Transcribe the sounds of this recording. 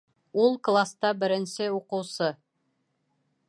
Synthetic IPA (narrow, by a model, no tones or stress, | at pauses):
ulˠklˠast̪ɑbɘ̆ɾɘ̆nsɘuqɤ̆wsɤ